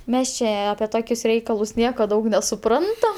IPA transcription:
ˈmʲɛs t͡ʃʲɛ ˈɑːpʲiɛ ˈtoːkʲʊs ˈrʲɛɪkɐlˠʊs ˈnʲiɛkoː ˈdɐʊk nʲɛsʊˈprɐntɐm

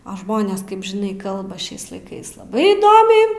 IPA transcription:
ɐ ˈʒmoːnʲeːs ˈkɐɪp ʒʲɪˈnɐɪ ˈkɐlˠbɐ ˈʃʲɛɪs lˠɐɪˈkɐɪs lˠɐˈbɐɪ iːˈdoːmʲɛɪ

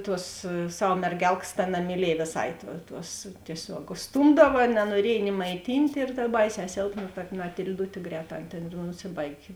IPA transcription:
ˈtuɔs ˈsɐw mʲɛrʲˈɡʲɛlˠkɐs tɐ nɐmʲɪˈlʲiɛj ʋʲeːˈsɐɪ tuɔ tuɔs tʲiɛˈsʲoːk ʊʃˈstuːmdɐʋɐ nɐnuɔˈrʲiɛj nʲɪ mɐɪˈtʲiːnʲtʲ ɪr dɐr ˈbɐɪˌsʲɛː ˈsʲeːlˠpnɐ tɐ mɐtʲɪlʲˈdʊtʲeː ˈɡrʲɛːˌtɑː ˈɐn tʲeːn ɪr nʊˈsʲɪbɐɪɡʲeː

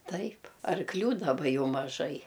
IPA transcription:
ˈtɐɪp ɐrkˈlʲuː dɐˈbɐ ˈjɛʊ mɐˈʒɐɪ

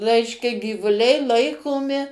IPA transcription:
ˈrʲɛɪʃʲkʲɛ ɡʲiːʋʊˈlʲɛɪ ˈlˠɐɪkoːmʲɪ

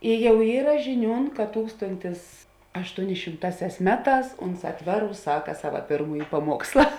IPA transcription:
ɪ ˈjɛʊ ˈiːrɐ ʒʲɪˈnʲuːn kɐt ˈtuːkstoːnʲtʲɪs ɐʃtuɔˈnʲɪ ʃʲɪmˈtɑːˌsʲæːs ˈmʲæːˌtɑːs ˈʊnˌsɑː ˈtʲʋʲæːˌruːs ˈsɑːkɐ ˈsɑːʋɐ ˈpʲeːrmuːjɪ pɐˈmuɔkslˠɐ

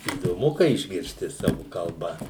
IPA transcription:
iːdoːˈmʊ kɐɪ ɪʒʲɡʲɪrʲsʲˈtʲɪ ˈsɑːʋʊ kɐlˠˈbɐ

